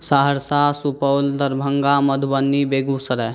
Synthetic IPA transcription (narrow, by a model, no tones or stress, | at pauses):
saːɦəɾsaːsupəwld̪ɐɾbʱəŋɡamɐd̪ʱubənːibeːɡusɐɾɛ